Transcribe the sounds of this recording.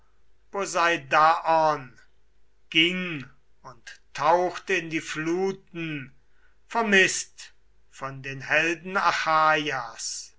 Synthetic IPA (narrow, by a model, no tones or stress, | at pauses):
b̥ozaɪdaʔɔn | ɡ̥ɪŋ | ʊnttʰːaʊxtəɪndiːfluːtn̩ | fɛɐmɪst | fɔndeːnɦɛldn̩axaːjas